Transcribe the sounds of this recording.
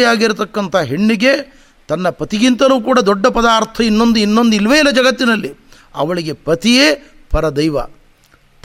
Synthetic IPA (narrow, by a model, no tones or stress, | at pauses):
jaːɡiɾut̪ɐkːɐnt̪ʰɐɦeɳːiɡe̞ | t̪ɐnːɐpɐt̪iɡint̪ɐluːkuːɽad̪ɔɖːɐpɐd̪aːɾt̪ʰɐinːo̞nd̪uinːo̞nd̪uilʋeːilːɐd͡ʒɐɡɐt̪ːinɐlːi | ɐ̰ʋɐɭiɡe̞pɐt̪ijeː | pɐɾɐd̪ɐjʋɐ̰